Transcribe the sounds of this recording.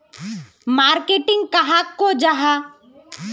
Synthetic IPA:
maːɾkeʈɪ̃ŋɡ̚kaɦakːod͡ʒaɦa

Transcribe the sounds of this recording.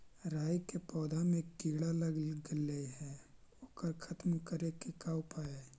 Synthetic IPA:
ɾaːjkepɔːd̪ʱamẽkiːɽaləɡəleɦɛ̃ | okəɾkʰɐt̪mkəɾekekaːwpaːe

